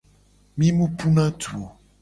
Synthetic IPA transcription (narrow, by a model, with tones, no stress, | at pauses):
mĩ˦mu˦pu˦nã˦tʰu˨o˨